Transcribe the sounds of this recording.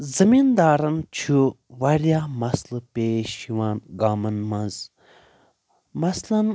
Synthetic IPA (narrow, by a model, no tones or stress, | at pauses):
zɐmind̪aːɾɐnt͡ʃʰu | ʋɐɾjaːmɐslɨpeːʃiʋaːnɡaːmɐnmɐnz | mɐslɐn